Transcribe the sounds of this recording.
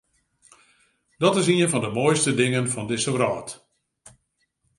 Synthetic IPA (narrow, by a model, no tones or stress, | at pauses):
d̥ɔtɪsiənfɔndəmoːjstədɪŋənfɔndɪsəʋrɔːt